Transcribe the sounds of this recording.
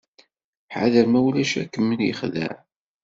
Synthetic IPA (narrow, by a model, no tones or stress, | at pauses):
ħa̰ðəɾmæwlæʃæ̰kːəmːənjəχðæ̰ʕ